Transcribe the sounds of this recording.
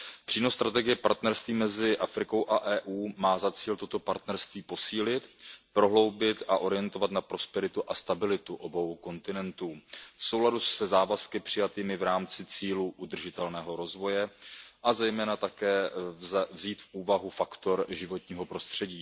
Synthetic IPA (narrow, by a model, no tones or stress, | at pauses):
pr̝̥iːno̞st̪ɾat̪ɛɡɪjɛpaɾt̪nɛɾst̪viːmɛzɪʔafɾɪko̞wʔaʔɛːʔuːmaːzat͡siːlt̪o̞t̪o̞paɾt̪nɛɾst̪viːpo̞siːlɪt̪pɾo̞ɦlo̞wbɪt̪aʔo̞ɾɪjɛnt̪ovat̪napɾo̞spɛɾɪt̪uʔast̪abɪlɪt̪uʔo̞bo̞wko̞nt̪ɪnɛnt̪uːfso̞wladusɛzaːvaskɪpr̥ɪjat̪iːmɪvɾaːmt͡sɪt͡siːluʔud̪r̩ʒɪt̪ɛlnɛːɦo̞ɾo̞zvo̞jɛʔazɛjmɛːnat̪akɛː | vziːt̪fʔuːvaɦufakt̪o̞ɾʒɪvo̞t̪ɲiːɦo̞pɾo̞st̪r̝̥ɛɟiː